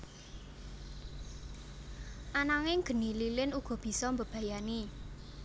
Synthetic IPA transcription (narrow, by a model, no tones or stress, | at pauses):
ʔanaŋɪŋɡ̥ə̤nililɪnuɡ̥ɔ̤b̥i̤sɔmbəb̥ä̤jani